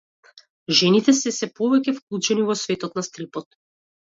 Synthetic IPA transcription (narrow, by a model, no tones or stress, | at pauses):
ʒɛnit̪ɛsɛsɛpɔvɛcʲɛfklˠut͡ʃɛnivɔsvɛt̪ɔt̪̚nast̪ɾipɔt̪̚